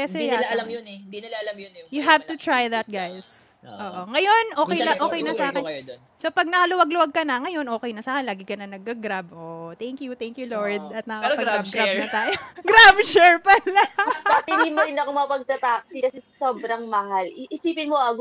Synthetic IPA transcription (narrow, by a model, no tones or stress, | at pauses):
ɛsɛjlɐlamjonɛinlɐlɐmjjʊɦavt̪ʊt̪ɹajðɐt̪̚ɡajs | ʔoːʔoŋɐjo̞nʔo̞ːkɛjnɐʔoːkɛjnɐsaːkɪn | sopɐɡ̚nɐkɐlʊwɐɡlʊwaɡ̚kɐnɐŋɐjo̞nʔoːkɛjnɐsaːkɪɛnlaːɡɪkɐnɐnɐɡ̚ːɐɡɾabʔoʔt̪ɛŋkjut̪ɛŋkjuloɹd̪̚ɐt̪̚mɐɐkɐpɐɡɡab̚ɡɾab̚nɐt̪aːjoɡɾabt͡ʃɛɹpalaɐiɡɪnmoɾɪnɐkomɐɐpɐɡ̚t̪ɐt̪ak̚sɪkɐsɛsoːbɾɐŋmɐhalɪʔɪsiːpɪnmoɐɡ